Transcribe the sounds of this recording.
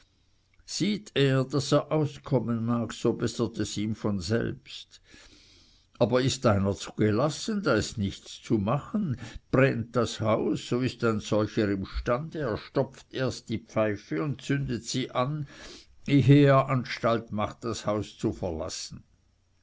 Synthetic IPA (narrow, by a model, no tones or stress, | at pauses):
z̥iːtʰeːɐdaseːɐʔaʊskʰɔmənmaːksobɛsətɛsiːmfɔnzɛ̰lpst | ʔaːbɐɪstʔaɪnɐt͡suɡ̥elasəndaːɪstnɪçt͡st͡sumaχənb̥ʁɛnt̚d̥ashaʊsːoːɪstaɪnz̥ɔlçəɾɪmʃtandəeːɐʃtɔpfteːɐst̚d̥ipfaɪfəʊnt̚t͡sʏndətsiːʔan | eɦeːeːɐʔanʃtaltmaχtd̥ashaʊst͡sufɛɐla̰sn̩